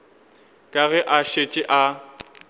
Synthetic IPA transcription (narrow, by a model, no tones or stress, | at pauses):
kʼaɣɛʔaʃet͡ʃʼɪʔa